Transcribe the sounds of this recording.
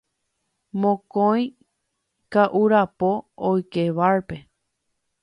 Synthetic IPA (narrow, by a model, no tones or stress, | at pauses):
mõkõj̃ | kaʔuɾapo̞ːjkeʋaɾpe̞